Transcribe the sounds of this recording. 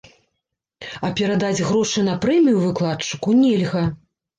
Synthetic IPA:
ɐpʲɛɾad̪ad͡zʲɣɾɔʂɨnɐpɾɛmʲijuvɨklˠatt͡ʂɨ̥kunʲɛlʲɣɐ

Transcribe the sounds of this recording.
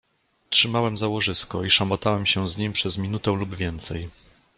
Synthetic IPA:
tʂɘmawɛmzawɔʐɘskɔ̰iʂamɔt̪awɛmɕɛzɲimpʂɛzmʲinut̪ɛw̃lubvʲjɛnt̪sɛj

